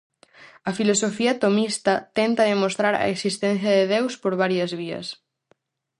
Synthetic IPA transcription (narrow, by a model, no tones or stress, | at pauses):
ɐfilosofiɐt̪omist̪ɐt̪ɛnt̪ɐðemost̪ɾaɾɐ̰eksist̪ɛn̟θjɐðeðewspoɾβaɾjɐzβiɐ̰s